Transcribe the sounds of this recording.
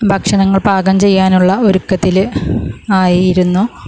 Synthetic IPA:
bʱɐkʂɐnɐŋːɐɭbʱaːɡɐmt͡ɕe̞jːaːnuɭːɐoɾukːɐt̪ːil | aːjiiɾunːu

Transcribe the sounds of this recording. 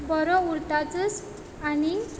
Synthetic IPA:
bɔɾɔuɾt̪at͡səs | ani

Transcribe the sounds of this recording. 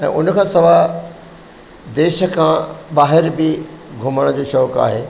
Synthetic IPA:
ɛ̰̃ːʔʊnkʰãːsɐʋa | d̪eːʃə̆kʰãbaːɦɪɾbɪɡʱʊməɽ̃d͡ʑoːʃɔːka̰ːɦeː

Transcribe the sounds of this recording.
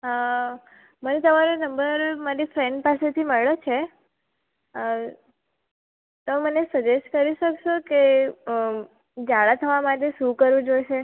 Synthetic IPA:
ɦa | mənet̪əmaɾonəmbəɾmaɾifɾeɳɖpaset̪ʰiməɭot͡ʃʰe | t̪əmənesəd͡ʒesʈkəɾiʃəkʃoke | d͡ʒaɭat̪ʰəʋamaʈ̬eʃũkəɾʋũd͡ʒojʃe

